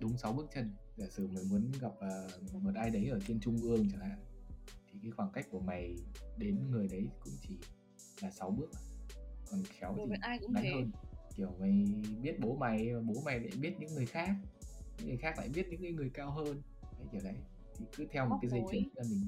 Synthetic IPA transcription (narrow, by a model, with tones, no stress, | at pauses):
ɗʊ˨˦ŋ͡msa˨˦wɓɨ˦˥ək̚t͡ɕə˧n | zaː˧˩sɨ̰˧˩ma˨˩jmu˨˦ənɣa˨˩p̚aː˨˩˨mo˨˩t̚ʔaː˧jɗə˨˦jʔəː˧˩t͡ɕe˧nt͡ɕʊ˧ŋ͡mʔɨ˧˩əŋt͡ɕə˧˩ha̰ː˧˨t̪ʰi˨˩kaː˨˦jxwaː˧˩nka˦˥jk̟̚ku˧˩əma˨˩jɗe˨˦nŋɨ˨˩əjɗə˨˦jkʊ̰˧˥ŋ͡mt͡ɕi˧˩ | laː˨˩sa˨˦wɓɨ˦˥ək̚kɔ˨˩nxɛ˨˦wt͡ɕiː˧˨˧j̰a˨˦həː˧nki˧˩əwma˨˩jɓi˦˥ət̚ɓo˨˦ma˨˩jmaː˨˩ɓo˨˦ma˨˩jla̰ː˧˨jɓi˦˥ət̚ɲɨ̰˧˥ŋŋɨ˨˩əjxaː˦˥k̚ɲɨ̰˧˥ŋɨ˨˩jxaː˦˥kla̰ː˧˨jɓi˦˥t̚ɲɨ̰˧˥ŋːkaː˨˦jŋɨ˨˩əjkaː˧wɦəː˧n | ha˨˦t͡ɕəː˧˩la˨˦j | t̪ʰi˨˩kɨ˨˦t̪ʰɛ˧wm˨t̚kaː˨˦jzə˧˩t͡ɕɨ˨˦ŋ˧aː˨˧˩mï˨˩ŋ̟